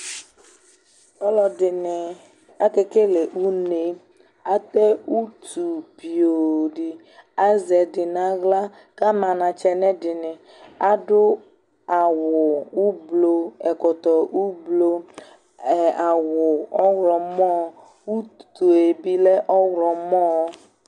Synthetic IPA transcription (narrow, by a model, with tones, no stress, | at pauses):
ɔ˦lɔ˨dɪ˨nɪ˨ | a˦ke˦ke˦le˨ʔu˦ne˨ | a˦t̪ɛ˦u˦t̪u˨pi˨o˨dɪ˨ | a˦zɛ˨dɪ˨na˨˦ɣla˦ | ka˦ma˨nã˨t͡ʃɛ˦nɛ˦dɪ˨nɪ˨ | a˦dʊ˦ | a˨wʊ˨u˦blo˦ɛ˨kɔ˨t̪ɔ˨ʔu˦blo˦˨ | a˨wʊ˨ɔ˦wɾɔ˨mɔ˦ | u˦t̪u˨e˨bi˦lɛ˦ʔɔ˦wɾɔ˨mɔ˦